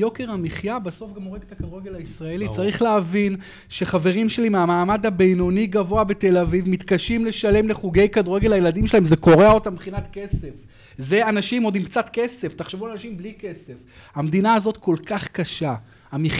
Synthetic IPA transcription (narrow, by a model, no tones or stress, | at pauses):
jo̞ke̞ʁamiχjabaso̞fɡamoʁeɡet̪akad̪ʁeɡe̞laisʁae̞lit͡saʁiχleavin | ʃeχave̞ʁimʃe̞limeamaːmad̪habe̞jno̞niɡavo̞abe̞t̪e̞lavivmit̪kaʃimleʃale̞mle̞χuɡe̞jkad̪ueɡe̞lajelad̪imʃelaemzeko̞ʁeao̞tambeχinat̪ke̞sef | ze̞anaʃimo̞d̪imkt͡sat̪ke̞se̞ft̪aχʃevulalanaʃimblike̞sefhamd̪inaːzo̞t̪ko̞lkaχkaʃa | ami